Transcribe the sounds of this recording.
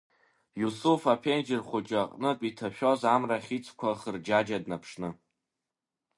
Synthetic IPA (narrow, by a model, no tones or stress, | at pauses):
jusufapʰend͡ʒɪrχʷʊt͡ʃʼaqʼnɨpʼitʰaʃᶣozamraχʲit͡sʰʼkʷʰaχərd͡ʒad͡ʒadnapʰʂnɨ